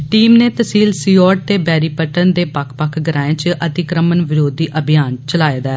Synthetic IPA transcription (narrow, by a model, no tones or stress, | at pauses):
ʈiːmneːt̪əsiːlsiːɔːʈ̚t̪eːbɛːɾiːpəʈənd̪eːpəkʰpəkʰɡəɾaːẽːt͡ʃʔət̪ɪkɾəmənʋɪɾoːd̪iːʔəbʱijaːnt͡ʃəlaːed̪aː